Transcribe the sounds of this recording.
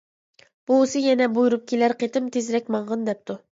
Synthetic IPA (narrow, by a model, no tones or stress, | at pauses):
b̥usɨjɛnɛbujuɾup̚kʲʰelæɾqʰet̪ɪmt̪ʰezɾɛkʲmɑɴʁənd̪ɛp̚t̪ʰu